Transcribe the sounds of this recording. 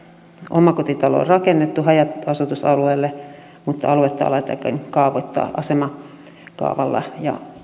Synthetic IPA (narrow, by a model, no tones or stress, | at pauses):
ʔomɑkot̪it̪ɑlo̰o̰rrɑkenːet̪ːuhɑjɑt̪ɑsut̪usɑlueːlːe | mut̪ːɑɑluet̪ːɑ̰ɑ̰lɑet̪ːɑ̰ikːɑ̰ŋkɑːʋoit̪ːɑ̰ːʔɑsemɑ | kɑ̰uʋɑlːɑ̰jɑ̰